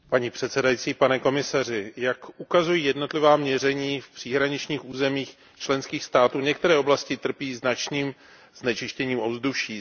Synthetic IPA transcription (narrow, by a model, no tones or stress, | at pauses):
paɲiːpr̥ɛt̪sɛdajit͡siːpanɛko̞mɪsar̝ɪjakʔukazujiːjɛdno̞t̪lɪvaːmɲɛrɛɲiːfpr̝̥iɦɾaɲɪt͡ʃɲiːxʔuːzɛmiːx | t͡ʃlɛnskiːxst̪aːt̪uːɲɛk̚t̪ɛɾɛːo̞blascɪt̪r̩piːznat͡ʃniːm | z̥nɛt͡ʃɪʃcɛɲiːmʔovzduʃiː